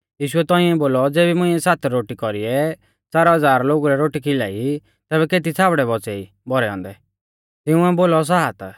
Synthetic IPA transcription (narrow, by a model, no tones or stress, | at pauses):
jiːʃʊɛt̪ɔ̃ĩɛ̃boːlɔd͡zeːbimʊ̃ĩɛsaːt̪ʰɾoːʈikɔɾiɛ | t͡saːɾaɦɐd͡zaːɾloːɡuɾɛɾoːʈikʰɪla̰ːi | t̪ɛːbɛkeːt̪̬it͡sʰaːbɽɛbɔt͡sɛi | bɔɾɛɔ̰̃ːnd̪ɛ | t̪ɪũɛboːlɔs̬aːat̪a